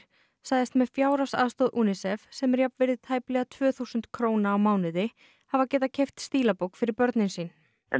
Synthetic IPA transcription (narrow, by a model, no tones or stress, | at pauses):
saːjðɪst̪mɛðfjaːwɾasa̰ðst̪oːðʔuːnɪsɛfsɛmɛɾjapnvɪɾðɪt̪ʰaːjplɛɣat̪ʰvœːθusʏnt̪kʰɾoːwnaːwmaːwnɪðɪ | havacɛːt̪acʰejft̪st̪iːlapowkfɪɾɪɾpœɾt̪nɪnsiːn̰